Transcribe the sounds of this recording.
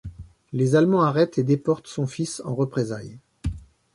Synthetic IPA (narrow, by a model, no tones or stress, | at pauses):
lezalmɑ̃aʁɛt̪ʰed̪epɔʁt̪sɔ̃fisɑ̃ʁəpχezaj